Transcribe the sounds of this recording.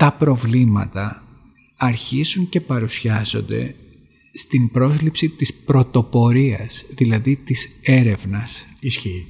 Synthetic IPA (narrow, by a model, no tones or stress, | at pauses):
t̪ɐpɾo̞vlimɐ̰t̪ɐ | ɐɾçizuɲce̞pɐɾusçɐzo̞̰nd̪e̞̰ | st̪imbɾo̞zlipsit̪ispɾo̞t̪o̞po̞ɾiɐsðilɐðit̪ise̞ɾe̞vnɐsisçi